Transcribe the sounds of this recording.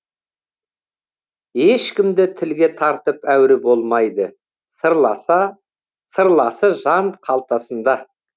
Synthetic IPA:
e̞ʃkʲɪmd̪ɪt̪ʰɪlɡʲe̞t̪ʰɑɾt̪əpæwɾɪbo̞lˠmɑjd̪ə | səɾlˠɑsɑ | səɾlˠɑsəʒɑnqʰɑlˠt̪ɑsənd̪ɑ

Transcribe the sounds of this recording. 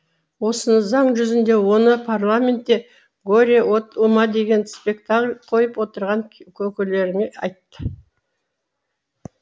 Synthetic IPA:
wo̞sənəzɑɴʒʏzɪnd̪e̞wo̞nəpʰarlˠamʲe̞nt̪ːe̞ | ɡoɾʲewot̪umɑd̪e̞ɡʲe̞nspe̞kt̪aklʲqʰo̞jəpwo̞t̪əɾʁɑŋkʲʰɵkʲɪle̞ɾɪmeɑ̰jt̪ːə

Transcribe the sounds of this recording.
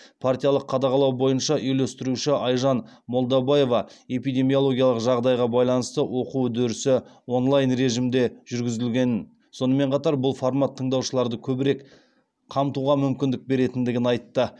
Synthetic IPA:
pʰart̪ijɑlˠəqʰːɑd̪ɑʁɑlˠɑwbo̞jənʃɑʔʏjlest̪ɪɾuʃɪʔɑjʒɑnmo̞lˠd̪ɑbaje̞vɑe̞pijd̪ʲe̞mijo̞lˠo̞ɡʲijɑlˠəqʒɑʁd̪ɑjʁɑbɑjlˠɑnəst̪əwʔo̞qud̪ɵɾɪsɪwo̞nlˠɑjnre̞ʒimd̪e̞ʒ̥ʏɾɡʲɪzɪlɡʲe̞nɪn | so̞nəme̞ɴqʰɑt̪ɑɾbʊlˠfoɾmat̪ʰːəɴd̪ɑwʃəlˠɑɾd̪əkʲʰɵbɪɾe̞k | qʰɑmt̪uʁɑmʏmkʲɪnd̪ɪk̚be̞ɾe̞t̪ɪnd̪ɪɡʲɪnɑjt̪ːə

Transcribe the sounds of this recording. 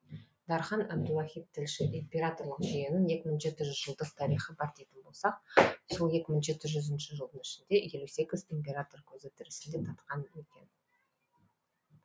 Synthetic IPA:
d̪ɑɾχɑnæb̚d̪ʊɑχʲit̪̚t̪ʰːɪlʃɪʔimpʲiɾat̪o̞ɾlˠəqʒijenɪnje̞kʲɪmʊnʒe̞t̪ɪʒʏzʒəlˠd̪əqt̪ʰɑɾijχəbɑɾt̪ejt̪ɪnbo̞lˠsɑqso̞lˠje̞kʲɪmənʒe̞t̪ɪʒʏzɪnʃɪʒəlˠd̪ənɪʃɪnd̪e̞je̞luse̞kʲɪzt̪ʰempʲe̞ɾat̪orkʲʰɵzɪt̪ʰɪɾɪsɪnd̪e̞t̪ʰɑt̪qɑnekʲe̞̰n

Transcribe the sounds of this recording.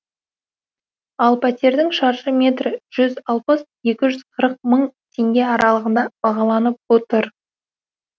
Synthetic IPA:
ɑlˠpʰæt̪e̞ɾd̪ɪŋʃɑɾʃəmʲe̞t̪rɪʒ̥ʏzɑlˠpəsje̞kʲɪʒʏz̥qʰəɾəq̚məɴt̪ʰe̞ŋɡʲe̞ɑɾʔɑlˠəʁənd̪ɑb̥ɑʁɑlˠɑnəp̚wot̪əɾ

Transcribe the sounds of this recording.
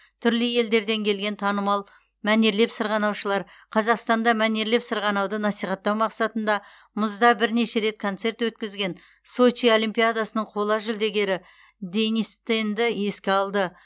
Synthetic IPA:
t̪ʰʏɾləje̞ld̪e̞ɾd̪e̞ŋkʲʰe̞lɡʲe̞nt̪ʰɑnəmɑlˠ | mæneɾle̞psəɾʁɑnɑwʃəlˠɑɾ | qʰɑzɑqst̪ɑnd̪ɑmæne̞ɾle̞psəɾʁɑnɑwd̪ənɑsijχɑt̪ːɑwmɑqsɑt̪ənd̪ɑ | mʊzd̪ɑbɪɾne̞ʃe̞ɾe̞t̪̚kʰo̞nt̪se̞ɾt̪wɵt̪kʲɪzɡʲe̞n | so̞t͡ʃio̞limpijad̪asənəɴqʰo̞lˠɑʒʏld̪e̞ɡʲe̞ɾɪ | d̪e̞nʲist̪end̪ɪe̞skʲe̞ɑlˠd̪ə

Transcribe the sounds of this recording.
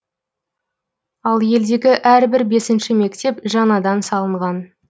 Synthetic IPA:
ɑlˠje̞ld̪e̞ɡʲɪʔæɾbɪɾbe̞sɪnʃɪme̞kt̪e̞pʒɑnɑd̪ɑnsɑlˠəɴʁɑn

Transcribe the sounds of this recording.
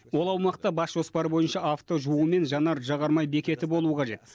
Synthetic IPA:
wo̞lˠɑwmɑqt̪ɑbɑsʒ̥o̞spɑɾəbo̞jənʃɑaft̪o̞ʒuəəme̞nʒɑnɑɾʒɑʁɑɾmɑjbe̞kʲe̞t̪ɪbo̞lˠuəqʰɑʒe̞t̪

